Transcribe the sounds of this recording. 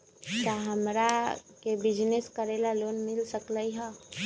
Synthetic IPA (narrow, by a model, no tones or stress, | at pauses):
k̪aɦəmɾakebɪd͡ʒneskəɾeːlaloːnmɪlsəkləiɦɛ̃ː